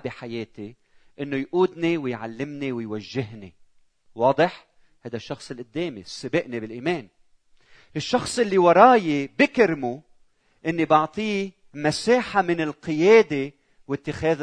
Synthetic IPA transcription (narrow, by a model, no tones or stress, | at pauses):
biħajeːt̪i | ʔɪnːojʔuːd̪niwɪjʕa̰lːɪmniwɪjwaʒːɪɦni | wɑːd̪ˤɨħ | hajd̪aʃːɑxsˤɨlʔɪd̪ːeːmḭsˤːɨbɪʔnibɪlʔiːmeːn | ɪʃːɑxsˤʔɪlːiwɑɾˤɑːjibɪkɪɾmu | ʔɪnːibɑʕt̪ˤiː | masaːħamɪnɪlqɨjeːd̪e | wɪt̪ːɪxeːð